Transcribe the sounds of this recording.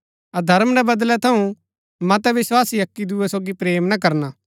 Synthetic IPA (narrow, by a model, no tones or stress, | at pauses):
ɐd̪ʱɐɾmɾɛbɐd̪lɛt̪ʰɐũ | mɐ̃t̪ɛʋɪswaːsijɐkːid̪uːɛsoːɡipɾeːmnakɐɾna